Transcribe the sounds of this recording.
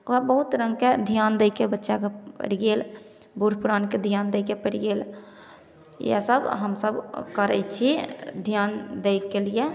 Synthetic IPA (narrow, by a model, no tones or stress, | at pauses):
oɦabəɦut̪ɾə̃ŋɡked̪ʱjand̪ekebətːʃakepə̰ɽɡeːl | buɽpuɾaːnked̪ʱijand̪eɪkepəɽɡeːl | ja̰səbɦəmsəbkəɾɛ̰t͡ʃʰid̪ʱjand̪eɪkelije